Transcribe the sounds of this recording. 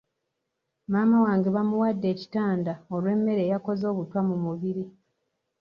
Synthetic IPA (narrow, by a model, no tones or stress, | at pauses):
maːmawaːŋɡeβamuwadːe̞ːci̥taːndaolwe̞ːmːe̞ɾe̞ːjako̞zo̞ːβutwamumuβiɾi